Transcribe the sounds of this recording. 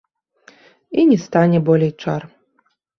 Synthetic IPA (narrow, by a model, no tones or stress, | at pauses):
inʲɛst̪anʲɛbɔlʲejt͡ʂa̰r